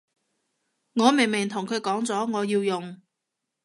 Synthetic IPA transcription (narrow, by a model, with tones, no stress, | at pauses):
ŋɔː˨˧me˨˩jmɪ˨˩ŋt̪ʰʊ˨˩ŋkʰɵ˨˧˥ɥkɔː˨˥ŋt͡sɔː˨˥ŋɔː˨˧jiː˧wjʊ˨ŋ